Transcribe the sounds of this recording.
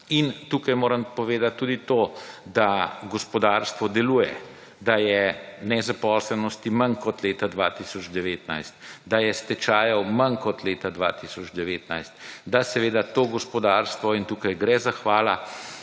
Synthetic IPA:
int̪uːkajmoːɾəmpɔʋeːd̪at̪ːuːd̪it̪od̪aɡɔspɔd̪aːɾst̪ʋɔd̪ɛluːjɛ | d̪ajɛnɛzapɔːslɛnɔst̪imankɔt̪leːt̪ad̪ʋaːt̪isɔd͡ʒd̪ɛʋeːt̪najst̪d̪ajɛst̪ɛt͡ʃaːjɐwmɐnkɔt̪leːt̪ad̪ʋa̰ːt̪isɔd͡ʒd̪ɛʋeːt̪na̰jst̪d̪asɛʋeːd̪at̪oːɡɔspɔd̪aɾst̪ʋɔint̪uːkajɡɾɛzaxʋaːla

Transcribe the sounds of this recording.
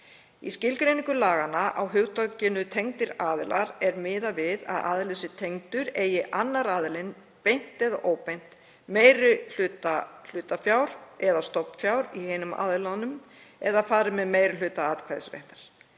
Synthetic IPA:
ḭscɪlkɾejnĩŋkʏlaːɣanaʔawɦʏɣt̪acɪnʏt̪ʰejŋt̪ɪɾaːðɪlʔaɾɛɾmɪːðavɪða̰ða̰ːðɪlʏsɪt̪ʰejŋt̪ʏɾeːjɪʔanːaɾaːðɪlɪn | pejn̥t̪ɛðaʔoːwpejn̥t̪ | meːjɾʏl̥ʏːt̪al̥ʏːt̪afjawɾɛðast̪ɔpfjawɾiheːjnʏma̰ːðɪlanʏm | ɛðafaːɾʏmɛðmeːjɾʏl̥ʏːt̪aaːðkʰvajðsvɛ̰ht̪ḁɾ̥

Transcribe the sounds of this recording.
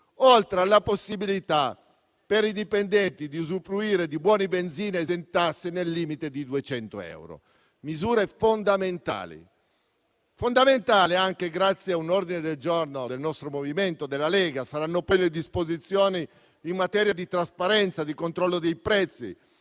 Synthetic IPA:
olt̪ɾealːaposːibilit̪a | peɾid̪ipend̪ɛnt̪id̪iuzufluiːɾed̪ibwɔːnibend̪ziːnezent̪asːenelːiːmit̪ed̪id̪uet͡ʃɛnt̪o̰ɛ̰wɾo̰ | mizuːɾefond̪ament̪a̰ːlḭ | fond̪ament̪aːleaŋk̟eɡɾat̪sːjeaunord̪ined̪eld͡ʒornod̪elnɔst̪ɾomoviment̪od̪elːalɛːɡasaɾanːopɔjled̪ispozit̪sːjoːniː | mːat̪ɛːɾjad̪it̪ɾaspaɾɛnt̪sad̪ikont̪ɾɔlːod̪ejpɾɛt̪sːḭ

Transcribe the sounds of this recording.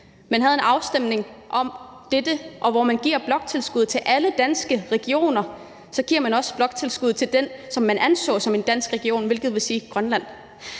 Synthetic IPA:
mænɦæð̞ˠe̝nɑ̈ʊsd̥em̰ne̝ŋʔɒ̽m | d̥ed̥əʔɒ̽ʋɒmænɡ̥ḭɐb̥lɒ̽ɡ̥̚t͡sʰe̝lsɡ̥uð̰ˠt͡sʰe̝lʔæləd̥ænsɡ̥əʁɛɡ̥io̝̰ːnɐ | sɒ̽ɡ̥iɐ̰mænɒ̽sb̥lɒ̽ɡ̥̚t͡sʰe̝lsɡ̥uðˠt͡sʰe̝ld̥ensɒ̽mːænʔænsɔ̰̽ːsɒ̽me̝nd̥æn̰sɡ̥ʁɛɡ̥io̝̰ːnʋe̝lɡ̥ðˠʋe̝siːɡ̥ʁɶnlæn̰

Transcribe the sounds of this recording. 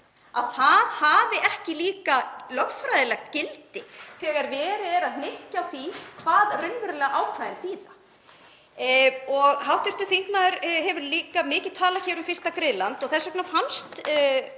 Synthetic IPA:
aðθaðhavɪʔɛhcɪliːkalœɣfɾajðɪlɛxt̪cɪlt̪ɪθɛːɣaɾvɛːɾɪɛɾaðhnɪhcaθikʰvaːðrʏnvʏɾlɛːɣaʔaːwkʰɾajðɪnθiːða | ɔɣɦawht̪ʏɾ̥t̪ʏθiŋknaðʏɾɦɛvʏɾliːkamɪːcɪðt̪ʰaːlaçɛːvɾʏmfɪrst̪akɾɪðlant̪ɔɣθɛsːœknafanst̪

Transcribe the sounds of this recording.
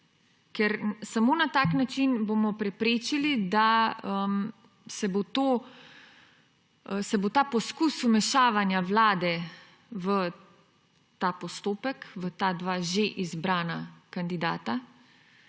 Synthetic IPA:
kɛɾsamoːnat̪aːknat͡ʃinbomɔpɾɛpɾeːt͡ʃilid̪aəm | sɛbot̪oː | sɛbot̪aːpɔskusumɛʃaːʋanjaʋlaːd̪ɛ | ʋə | t̪aːpɔst̪oːpɛkʋət̪aːd̪ʋaːʒeʔizbɾaːnakand̪id̪a̰ːt̪a

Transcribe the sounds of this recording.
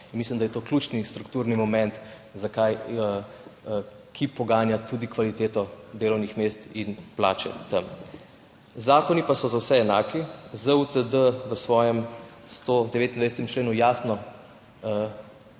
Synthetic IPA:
inmislimd̪ajɛt̪oːklʲuːt͡ʃnist̪ɾukt̪uːɾnimɔmɛnt̪ | zakajəə | kʰipɔɡaːnjat̪ud̪ikʋalit̪eːt̪ɔd̪eːlɔwnixmeːst̪inpla̰ːt͡ʃɛ̰t̪əm | zaːkɔnipasɔzawsɛɛnaːkizəut̪əd̪əʋəsʋɔːjɛm | st̪od̪ɛʋeːt̪ind̪vaɪsɛt̪ɛmt͡ʃleːnujaːsnɔ | ə

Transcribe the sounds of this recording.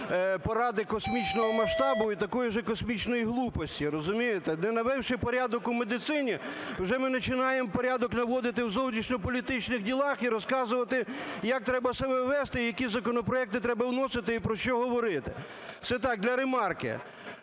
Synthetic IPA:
pɔɾɑd̪ɪkɔsmʲit͡ʃnɔɦɔmɐʃt̪ɑbʊit̪ɐkɔjiʒɛkɔsmʲit͡ʃnɔjiɦlˠupɔsʲtʲiɾɔzʊmʲijet̪ɛnɛnɐʋɛwʃɪpɔɾʲad̪ɔkʊmed̪ɪt̪sɪnʲiwʒɛmɪnɐt͡ʃɪnɑjempɔɾʲad̪ɔknɐʋɔd̪ɪt̪ɪwzɔwˠnʲiʃnʲɔpɔlʲit̪ɪt͡ʃnɪxdʲilˠɑxiɾɔskɑzʊʋɐt̪ɪjɐk̚t̪ɾɛbɐsɐbɛʋɛst̪ɪijɐkʲizɐkɔnɔpɾɔɛk̚t̪ɪt̪ɾɛbɐwnɔsɪt̪ɪipɾɔʃt͡ʃɔɦɔʋɔɾɪt̪ɪ̰ | t̪sɛt̪ɑk̚d̪lʲɐɾemɑrkɪ̰

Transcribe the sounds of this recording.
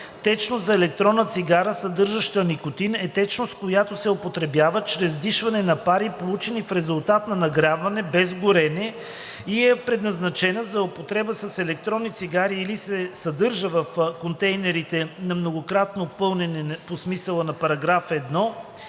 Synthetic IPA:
t̪ɛt͡ʃnozɐɛlɛk̚t̪ɾɔnːət̪siɡaɾəsɐd̪ɤɾʒəʃt̪ənikot̪inɛt̪ɛt͡ʃnost̪̚kojat̪osɛopot̪ɾɛbjavət͡ʃɾɛzd̪iʃvɐnɛnɐpaɾipolˠut͡ʃɛnifɾɛzʊlˠt̪at̪nɐnɐɡɾʲavɐnɛbɛzɡʊɾɛnɛ | iɛpɾɛd̪nɐznɐt͡ʃɛnəzɐopot̪ɾɛbəsɐsɛlɛk̚t̪ɾɔnːit̪siɡaɾiːlisɛsɐd̪ɤɾʒəvɐfkont̪ɛjnɛɾit̪ɛnɐmnoɡokɾat̪nopɤlˠnɛnɛposmisəlˠənɐpɐɾɐɡɾafɛd̪nɔ

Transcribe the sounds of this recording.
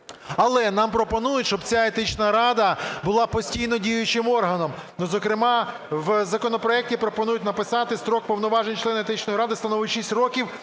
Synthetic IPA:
ɐlˠɛnɑmpɾɔpɔnujʊtʲʃt͡ʃɔbt͡sʲaet̪ɪt͡ʃnɐɾɑd̪ɐbʊlˠɑpɔsʲtʲijnɔdʲijʊt͡ʃɪmɔrɦɐnɔmnɔzɔkɾɪmɑ | ʋzɐkɔnɔpɾɔɛk̚tʲipɾɔpɔnujʊtʲnɐpɪsɑt̪ɪst̪ɾɔk̚pɔwnɔʋɑʒenʲt͡ʃlˠɛnet̪ɪt͡ʃnɔjiɾɑd̪ɪst̪ɐnɔʋɪtʲʃisʲtʲrɔkʲiw

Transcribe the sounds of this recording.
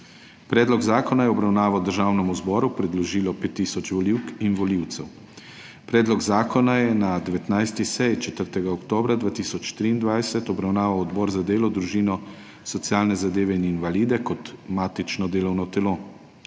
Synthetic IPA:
pɾɛːd̪lɔɡzaːkɔnajɛɔbɾawnaːʋawd̪əɾʒaːwnɛmuzbɔːɾupɾɛd̪lɔʒiːlɔpeːt̪ːiːsɔt͡ʃʋɔliwkinʋɔliwt̪sɛw | pɾɛːd̪lɔɡzaːkɔnajɛnad̪ɛʋɛt̪najst̪isɛjt͡ʃɛt̪əɾt̪ɛɡaɔkt̪oːbɾad̪ʋaːt̪iːsɔt͡ʃt̪ɾiːnd̪ʋajsɛt̪ɔbɾawnaːʋawɔd̪bɔɾzad̪eːlɔd̪ɾuʒiːnɔ | sɔt̪sijaːlnɛzad̪eːʋɛininʋaliːd̪ɛkɔt̪maːt̪it͡ʃnɔd̪eːlɔwnɔt̪ɛlo

